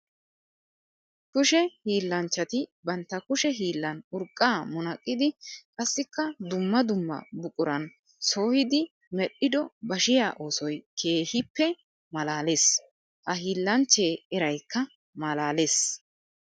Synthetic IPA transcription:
kʊʃɛhiːlːɐnt͡ʃːɐt̪ɪbɐnt̪ːɐkʊʃɛɦiːlːɐnʊɾkʼːaːmʊnɐkʼːɪd̪ɪkʼɐsːɪkːɐd̪ʊmːɐd̪ʊmːɐ̰bʊkʼʊɾɐn | so̞ːhɪd̪ɪ | mɛɗːɪd̪ɔbɐʃɪjaːʔo̞ːsɔjkʰe̞ːhɪpːɛ | mɐlaːleːs | hɐɦiːlːɐnt͡ʃːe̞ːɛɾɐjkːɐ | mɐlaːleːs

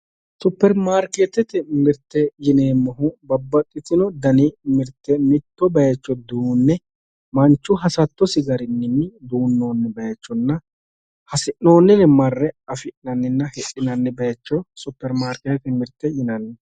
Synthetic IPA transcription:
sʊpːɛɾmaːɾkeːt̪ɛt̪ɪmɪɾt̪ːɛjɪneːmːɔɦʊbɐbːɐt̪ʼːɪt̪ɪnɔd̪ɐnɪmɪɾt̪ːɛmɪt̪ːɔbɐjɛt͡ʃːɔd̪uːnːɛ | mɐnt͡ʃːʊɦɐsɐt̪ːɔsɪɡɐɾɪnːɪnːɪd̪uːnːo̞ːnːɛbɐjɛt͡ʃːɔnːɐ | hɐsɪʔno̞ːnːɪnɛmɐrːɛɐfɪʔnɐnːɪnːɐhɛʔɪnɐnːɛbɐjɛt͡ʃːɔsʊpːɛɾmaːɾket̪ɛt̪ɪmɪɾt̪ːɛjɪnɐnːɛ

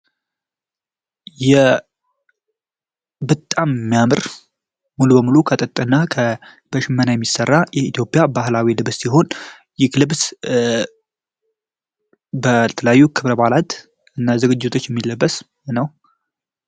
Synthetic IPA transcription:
jɛ | bət̪ʼːammːijamɨɾ | mulubəmulukʰət̪ʼət̪ʼːɨnːakʰə | b̥əʃɪmːənajɛmːisərːajɛit̪jo̞pʼjabahlawilɨβsːiɦo̞n | jɪklɨbs | bət̪ʰələjajːukʰɨβɾəbalat̪ | ɨnːazɨɡɨd͡ʒːɪt̪ʰo̞t͡ʃːjɛmːilːəbːəs | nəw

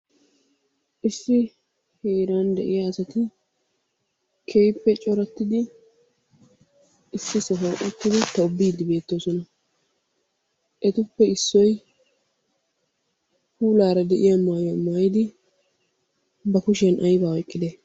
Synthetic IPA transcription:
ʔɪsːɪ | heːɾaːnd̪ɛʔɪjaːsɐt̪ɪ | kʰejpːɛt͡ʃʼɔɾɐt̪ːɪd̪ɪ | ʔɪsːɪsɔɦoːʔɔt̪ːɪd̪ɪt̪ɐʊbːiːd̪ɪbe̞ːt̪ːo̞ːsɔnɐ | ʔɛt̪ʊpːɛɪsːɔj | huːlaːɾɐd̪ɛʔɪjɐmaːjɔmaːjɪd̪ɪ | bɐkʊʃɛnʔɐjbaːɔjkʼːɪd̪e

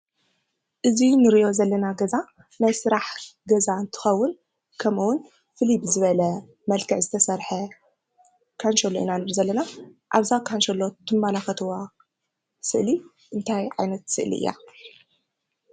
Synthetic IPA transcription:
ʔɨzinɨɾiʔo̞zɐlːɐnaɡɐza | najsɨɾaħɡɐzaɨnt̪ʰɨ̥xɐwːʊn | kʰɐmuwʊn | fɨlibzɨβɐlɐ | mɐlkʰɐʕzɨt̪ʰɐsɐɾħɐ | kʰanʃɐlːoʔḭnanɨɾzɐlːɐnaʔa̰βzakʰanʃɐlːo̞t̪ʰɨmːalaxɐt̪ʰɨwa | sɨʔli | ʔɨnt̪ʰajʕajnɐt̪sɨ̰ʔlḭʔɨ̰jːa̰

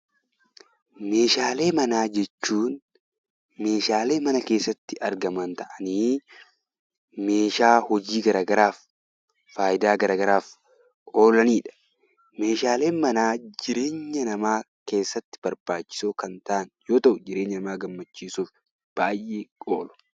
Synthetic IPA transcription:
me̞ːʃaːle̞ːmɐnaːd͡ʒɛt͡ʃːuːn | me̞ːʃaːle̞ːmɐnɐke̞ːsːɐt̪ːɪʔɐɾɡɐmɐnt̪ɐʔɐniː | me̞ːʃaːhɔd͡ʒiːɡɐɾaːɡɐɾaːfː | aːjɪd̪aːɡɐɾaːɡɐɾaːf | ʔo̞ːlɐniːᶑɐ̥ | me̞ːʃaːle̞ːmɐnaːd͡ʒɪɾe̞ːɲːɐnɐmaː | ke̞ːsːɐt̪ːɪ̥bɐɾbaːt͡ʃːɪ̥soːkɐnt̪ɐʔɐnjo̞ːt̪ɐʔʊd͡ʒɪɾe̞ːɲːɐnɐmaːɡɐmːɐt͡ʃːiːsuːf | b̥aːjʔeːkʼoːlɔ̥

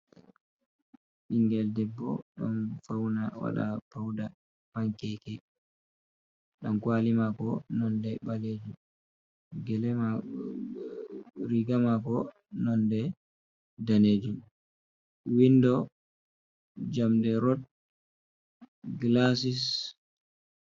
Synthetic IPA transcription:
ɓiŋɡɛldɛbːɔ̰ɗɔ̰nfawnawa̰ɗa̰pawda | paŋkɛkɛ | ɗankwalimakɔnɔndɛɓaled͡ʒum | ɡɛlɛma | ɾiɡamakɔ | nɔndɛ | daneːd͡ʒum | windɔ | d͡ʒamdɛɾɔt̚ | ɡlas̬is

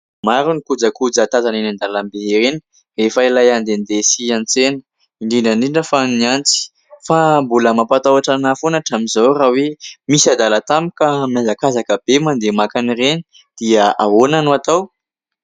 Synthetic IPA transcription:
maɾunikud͡zakud͡zat̪azanenand̪alambeɾeni̥ | efailajand̪end̪esiant͡senə̥ | iɳɖ͡ʐiɳɖ͡ʐəɳɖ͡ʐiɳɖ͡ʐəfaniant͡si̥ | fambuləmapat̪awaʈ͡ʂanafonaʈ͡ʂamizawrawemisad̪alat̪amikamjazakazakəb̥emand̪emakanireni̥ | d̪̥iaa̰ɦonanuat̪aw

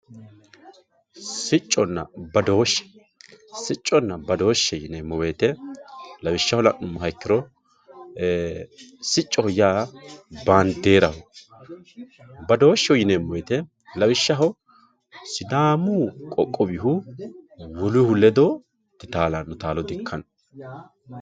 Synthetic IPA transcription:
sɪt͡ʃʼːɔnːɐ̰bɐd̪o̞ːʃːɛ̥ | sɪt͡ʃʼːɔnːɐbɐd̪o̞ːʃːɛjɪneːmːɔweːt̪ɛlɐbɪʃːɐhɔlɐ̰ʔːʊmːɐɦɐkːɪɾɔ | sɪt͡ʃʼːɔhɔjaːbaːnd̪e̞ːɾɐhʊ | bɐd̪o̞ːʃːɛʊjɪneːmːɔwet̪ɛ | lɐbɪʃːɐɦɐ | sɪd̪aːmʊkʼɔkʼːɔbɪhʊ | wɔlʊhʊlːɛd̪o | t̪ːɪt̪aːlanːʊt̪aːlɔd̪ɪkʰːɐn

